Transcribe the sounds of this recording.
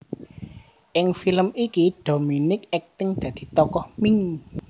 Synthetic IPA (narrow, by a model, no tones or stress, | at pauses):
ʔɪŋfiləmikiɖ̥ominɪk̚ɛk̚t̪ɪŋd̪̥ä̤d̪̥i̤t̪ɔkɔhmiŋ